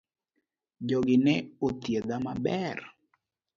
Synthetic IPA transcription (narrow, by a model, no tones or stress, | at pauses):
d͡ʒɔɡɪnɛot̪jed̪amabɛr